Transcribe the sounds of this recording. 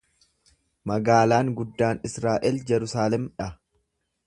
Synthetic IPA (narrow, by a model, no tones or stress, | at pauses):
mɐɡaːlaːŋɡʊd̪ːaːnɪsɾaːʔɛld͡ʒɛɾʊsaːlɛmᶑɐ